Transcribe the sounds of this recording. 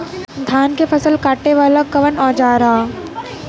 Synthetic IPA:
d̪ʱaːnkefʰɐsəlkaːʈːeʋaːlakɐʋənɔːd͡ʒaːɾɐɦa

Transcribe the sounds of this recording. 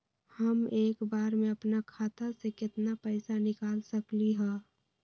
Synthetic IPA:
hɐmeːkbaːɾmẽɐpnakʰaːt̪ʰasekɪt̪napɛɪsanɪkaːlsəkliɦɛ̃ː

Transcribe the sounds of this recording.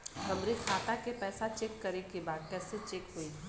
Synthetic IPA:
kɐmɾikʰaːt̪akepɛːsat͡ʃeːkːɐɾekebaːd̪̚kɛːset͡ʃeːkɦoi

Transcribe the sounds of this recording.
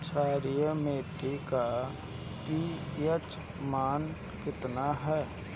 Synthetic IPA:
t͡ʃʰaːɾijəmeːʈika | ʈiet͡ʃ | maːn | kɪt̪naɦɛː

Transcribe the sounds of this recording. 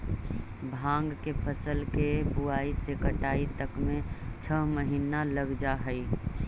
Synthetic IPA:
bʱãːŋɡkepʰəsəlkepuaisekəʈaːit̪əkmẽt͡ʃʰəɦməɦiːnaləɡd͡ʒaɦəi

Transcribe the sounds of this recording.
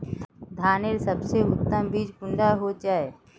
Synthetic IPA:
d̪ʱaːneɾsəbseʊt̪ːəmbiːd͡ʒpʊɳɖaɦod͡ʒaːeː

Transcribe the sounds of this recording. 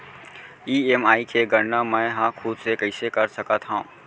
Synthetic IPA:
iːeːmaːikʰeɡəɾnamɛ̃ːɦãkʰuːd̪sekɐɪsekɐɾsɐkat̪ʰɦã

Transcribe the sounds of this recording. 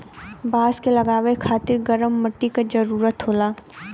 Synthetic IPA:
baːskelɐɡaːʋekʰaːt̪ɪɾɡɐɾəmːɐʈːikad͡ʒɐɾuːɾət̪ɦoːlaː

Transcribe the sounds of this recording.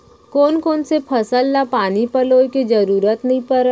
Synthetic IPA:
koːnkoːnsepʰɐsəlnapaːnipəloːjkid͡ʒəɾuːɾət̪nɐɦĩpəɾ

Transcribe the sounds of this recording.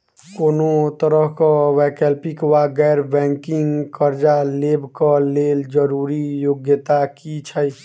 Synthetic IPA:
konot̪əɾəɦkɔwɛkɛlpikwaɡɛɾbɛ̃ŋkiŋkəɾd͡ʒalebkəleld͡ʒəɾuɾijoɡjət̪akit͡ʃʰəj

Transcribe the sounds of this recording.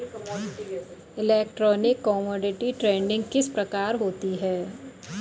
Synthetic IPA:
ɪlɛːk̚ʈɾɔːnɪkːɔːmɔːɖɪʈiʈɾẽːɳɖɪ̃ŋɡkɪspɾɐkaːɾɦoːt̪iɦɛː

